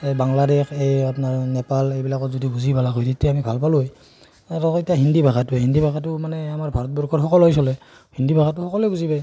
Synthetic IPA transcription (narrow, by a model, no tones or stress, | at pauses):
ejbaŋladɛkʰejapnaɹnɛpalejbilakɔtzɔdibuzibalaɡojtitɛamibʱalpaluj | atɔkitaɦindibʱaɡatuɦindibʱakatʊmanɛamaɹbʱaɹɔt̚bɔɹkʰɔxɔkɔlɦɔjs̬ɔlɛ | hindibʱakʰatːʊxɔkɔlɛbuzibaj